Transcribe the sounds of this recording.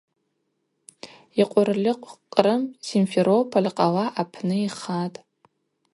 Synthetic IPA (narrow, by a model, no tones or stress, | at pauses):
iqʷʼʊrlɪqʷʼqʼːrɨmsinfeɾopʰolʲqʼaʁaʔapʰnɨiχatʼ